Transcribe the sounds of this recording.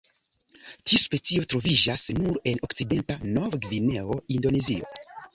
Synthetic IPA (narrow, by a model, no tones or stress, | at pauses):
tiuspe̞t͡sio̞tɾo̞vid͡ʒasnuɾe̞no̞kt͡side̞ntanoɾɡvine̞o̞indo̞nezio̞̰